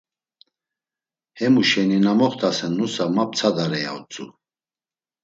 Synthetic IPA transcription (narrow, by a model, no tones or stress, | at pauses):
hɛmuʃɛninamɔχt̪ʰʼasɛnːusamap̚t͡sʰad̪aɾɛja̰ut͡sʼṵ